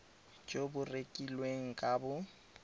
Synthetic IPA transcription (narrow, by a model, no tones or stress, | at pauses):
d͡ʒobʊrekʼilweŋ̩kʼabʊ